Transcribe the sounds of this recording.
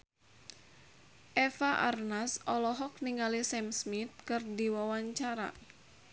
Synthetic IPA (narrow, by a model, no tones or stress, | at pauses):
ʔɛfaʔa̰rnasɔlɔɦɔk̚niŋalisɛmsmit̪̚kɨrdiwawaɲt͡ʃaɾa̰